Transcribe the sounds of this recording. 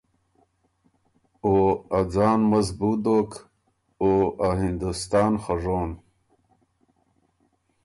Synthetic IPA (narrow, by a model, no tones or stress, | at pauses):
oad͡zɑːnmɐzbud̪oːk | oaɦind̪ust̪ɑːnxaʐoːn